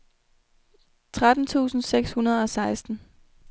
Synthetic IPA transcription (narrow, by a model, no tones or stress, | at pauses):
t͡sʰʁad̥n̩t͡sʰṵːsn̩seɡ̥shunɐð̞̩ˠɒ̽sɑ̈ɪsd̥n̩